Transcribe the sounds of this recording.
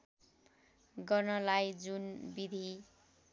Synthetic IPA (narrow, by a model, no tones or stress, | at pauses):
ɡʌrnʌlajd͡zunbid̪ʱi